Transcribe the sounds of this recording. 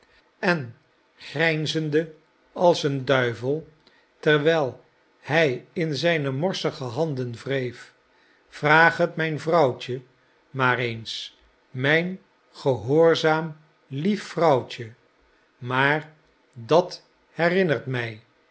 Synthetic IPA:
ɛn | χrɛjnzəndə | ɑlˠsəndœɥvəlˠ | tɛrʋɛlˠ | hɛjɪnzɛjnəmɔɹsəχəɦɑndənvrejf | v̥raːχɦətmɛjnvrɑwcə | maːrejns | mɛjn | χəɦoːɹzaːm | lifːrɑwt͡ʃə | maːɹ | dɑt | hɛrɪnərtmɛj

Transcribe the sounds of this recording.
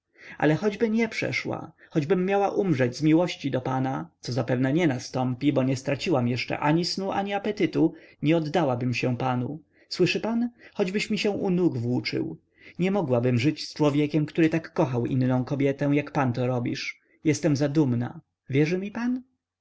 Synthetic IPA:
ʔa̰lɛxɔd͡ʑbɘɲɛpʂɛ̰ʂwa̰ | xɔd͡ʑbɘmːjawaʔumʐɛd͡ʑzmʲiwɔɕt͡ɕid̪ɔpanat̪sɔzapɛvnɛɲɛnast̪ɔmpʲibɔɲɛst̪ɾat͡ɕiwamjɛʂt͡ʂɛ̰ʔaɲisnuʔaɲiapɛt̪ɘt̪uɲɛɔd̪ːawabɘmɕɛ̃panu | swɘʂɘpanxɔd͡ʑbɘɕmʲiɕɛw̃ʔunuɡvwut͡ʂɘ̰w | ɲɛmɔɡwabɘmʐɘt͡ɕst͡ʂwɔvʲjɛkʲɛmkt̪uɾɘt̪akːɔxawʔḭnːɔ̃w̃kɔbʲjɛt̪ɛw̃jakpant̪ɔɾɔbʲiʂ | jɛst̪ɛmzad̪umna̰ | vʲjɛʐɘmʲipan

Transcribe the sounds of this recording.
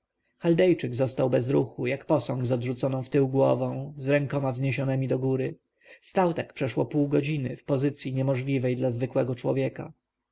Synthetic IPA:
xald̪ɛjt͡ʂɘɡzɔst̪awbɛzɾuxujakpɔsɔ̃ŋɡzɔd̪ʐut̪sɔnɔ̃w̃ft̪ɘwɡwɔvɔ̃w̃zɾɛŋkɔmavzɲeɕɔnɛmʲid̪ɔɡuɾɘ | st̪awt̪akpʂɛʂwɔ̰puwɡɔd͡ʑinɘ̰fpɔzɘt̪sʲjiɲɛmɔʐlʲivɛjd̪lazvɘkwɛɡɔt͡ʂwɔ̰vʲjɛka

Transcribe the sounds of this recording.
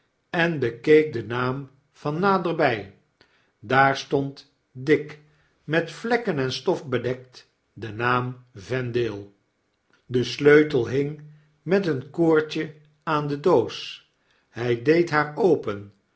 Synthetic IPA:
ɛnbəkejk̚dənaːm | v̥ɑnːaːdəɹbɛj | daːɹstɔnt | dɪk | mɛtflɛkənɛnstɔfbədɛk̚t | dənaːmvɛndɪːlˠ | dəsløɥtəlˠɦɪŋ | mɛtənkoːɹt͡ʃə | aːndədows | hɛjdejtɦaːɹowpən

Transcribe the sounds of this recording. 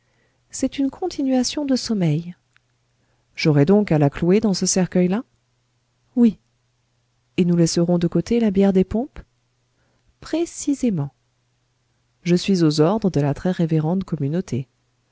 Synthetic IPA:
sɛt̪ynkʰɔ̃t̪ʰinɥasjɔ̃d̪əsɔmɛj | ʒ̥ɔʁɛd̪ɔ̃kalaklued̪ɑ̃səsɛʁkʲœjla | wi | enulɛsəʁɔ̃d̪əkot̪elabjɛʁd̪epɔ̃p | pχesizemɑ̃ | ʒəsɥizozɔʁd̪ʁəd̪əlat̪χɛʁeveʁɑ̃t̪kɔmynot̪ʰe

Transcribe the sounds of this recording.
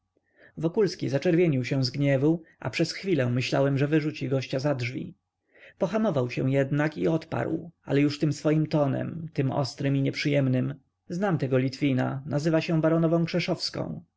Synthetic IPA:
vɔkulskʲizat͡ʂɛɾvʲjeɲiwɕɛ̃w̃zɡɲɛvuʔa̰pʂɛsxfʲilɛ̃mɘɕla̰wɛmʐɛvɘʐut͡ɕiɡɔɕt͡ɕazadʐvʲḭ | pɔxamɔvawɕɛw̃jɛd̪nakḭɔt̪pa̰ɾwa̰lɛjuʂt̪ɘmsfɔjimt̪ɔnɛ̰mt̪ɘmɔ̰st̪ɾɘmiɲɛpʂɘjɛmnɘm | znamt̪ɛɡɔlʲit̪fʲina̰nazɘvaɕɛ̃baɾɔnɔvɔ̃kʂɛʂɔfskɔ̰̃w̃

